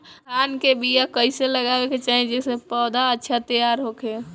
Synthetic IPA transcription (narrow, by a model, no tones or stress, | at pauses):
ɦaːnkebijakəɪseləɡabeket͡ʃaːɦid͡ʒɛsepɔːd̪aətːʃʰat̪əjaɾɦokʰe